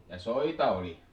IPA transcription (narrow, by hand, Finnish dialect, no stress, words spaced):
jɑ soitɑ oli